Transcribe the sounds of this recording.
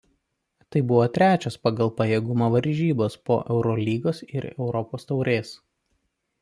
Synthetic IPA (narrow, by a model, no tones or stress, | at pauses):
t̪ɐɪbʊʋoːt̪ʲɾʲæːt͡ʃʲospɐɡɐlˠpɐjeːɡʊmoːʋɐɾʲʒʲiːboːspo̰ːʔɛʊɾɔlʲiːɡoːsɪɾɛ̰ʊɾɔpoːst̪ɐʊɾʲeːs